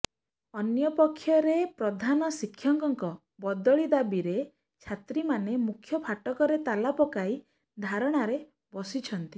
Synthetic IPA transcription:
ɔnjɔpɔkʰːjɔɾepɾɔd̪ʱanɔsikʰːjɔŋkɔŋkɔ | bɔd̪ɔɭid̪abiɾe | t͡ʃʰat̪ɾimanemukʰːjɔpʰaʈɔkɔɾet̪alapɔkai | d̪ʱaɾɔɽ̃aɾe | bɔsit͡ʃʰɔnt̪i

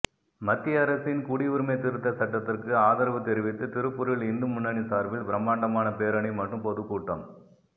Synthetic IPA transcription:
mɐt̪ːiɐɾɐsɪnkuːɽiʋʊɾɯmɐɪt̪ɪɾɯt̪ːɐsɐʈːɐt̪ːɪrkɯaːðɐɾɐʋɯt̪ːɛɾɪʋɪt̪ːɯt̪ɪɾɯpːʊɾɯɭɪnd̪ɯmʊnːɐnisaːɾʋɪlbɪɾɐmːaːɳɖɐmaːnɐpeːɾɐɳɐɪmɐʈrɯmpɔðɯpːuːʈːɐm

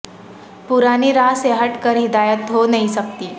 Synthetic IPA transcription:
puɾaniːɾaseɦəʈkəɾid̪ajət̪ɦonəisək̚t̪iː

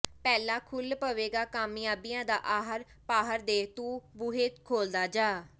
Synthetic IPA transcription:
pɛːlaːkʰʊlpəʋeːɡaːkaːmɪjaːbɪjãːd̪aːʔaːɦəɾ | paːɦəɾd̪eːt̪ũːbʊːɦeːt̪kʰoːld̪aːd͡ʒaː

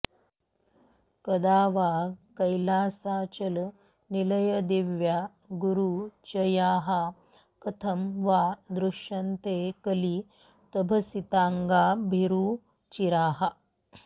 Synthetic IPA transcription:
kɐd̪aːʋaːkɐjlaːsaːt͡ʃɐl | nilɐjɐd̪iʋjaː | ɡuɾuːt͡ʃɐjaːɦa | kɐt̪ʰɐmʋaːd̪ɾuʂɐnt̪eːkɐli | t̪ɐbʱɐsit̪aːŋɡaːbʱiɾuː | t͡ʃiɾaːɦɐ

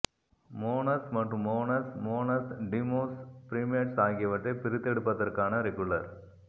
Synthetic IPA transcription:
moːnɐsmɐʈrɯmːoːnɐsmoːnɐsɖimoːspɾiːmɐʈsaːɣɪjɐʋɐʈrɐɪpɪɾɪt̪ːɛɽɯpːɐðɐrkaːnɐɾɛkʊɭɐɾ

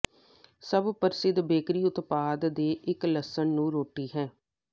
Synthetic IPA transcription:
səbpəɾɪsɪd̪beːkɾiːʊt̪paːd̪d̪eːʔɪkləsəɳnũːɾoːʈiːɦɛ̃ː

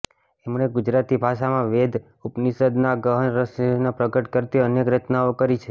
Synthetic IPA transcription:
emɳeɡʊd͡ʒɾat̪ibʱaʃamãʋed̪ʱ | upnisəd̪naɡəɦənɾəsnopɾəkəʈkəɾt̪iənjekɾət͡ʃnaokəɾit͡ʃʰe

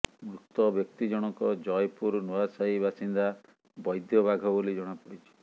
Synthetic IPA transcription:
mɾukt̪ɔbjɔk̚t̪id͡ʒɔɽ̃ɔkɔd͡ʒɔjpuɾnɔasajbasind̪a | bɔjd̪jɔbaɡʱɔbolid͡ʒɔɽ̃apɔɽit͡ʃʰi̥

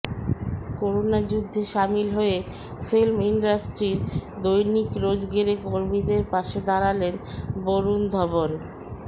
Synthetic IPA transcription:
koɾonad͡ʑud̪ʱːeʃamilɦoe | filmiɳɖasʈɾiɾd̪ojnikɾod͡ʑɡeɾekoɾmid̪eɾpaʃed̪aɾalenboɾund̪ʱɔbon

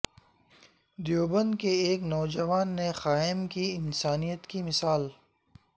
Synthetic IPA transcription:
d̪joːbə̃nd̪keeːknɔːd͡ʒɐʋaːnːexaːɪmkiɪnsaːnijət̪kimɪsaːl

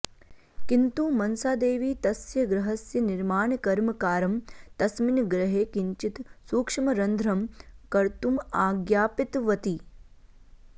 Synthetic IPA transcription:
kint̪umɐnsaːd̪eːʋiːt̪ɐsjɐɡɾɐɦɐsjɐnɪɾmaːɳkɐɾmɐkaːɾɐmt̪ɐsminɡɾɐɦeːkiɲt͡ʃit̪suːkʂɐmɐɾɐnd̪ʱɾɐmkɐɾt̪umaːɡjaːpit̪ʋɐt̪i

